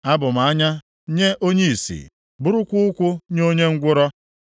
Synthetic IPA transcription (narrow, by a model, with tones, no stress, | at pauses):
a˦bʊ˨m̩˨a˦ɲa˦ | ɲe˦ʔo˦ɲe˦i˨sḭ˨ | bʊ˦ɾʊ˦kʷʊ˦ʊ˦kʷʊ˦ɲo˦ɲe˦ŋ̩˦ɡʷʊ˦ɾɔ˦